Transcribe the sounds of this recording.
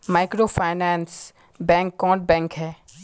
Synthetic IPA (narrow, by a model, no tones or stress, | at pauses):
maːɪkɾoːfʰaːɪnɛ̃ːns | bɛ̃ːŋkːɔ̃ːʈbɛ̃ːŋkɦɛː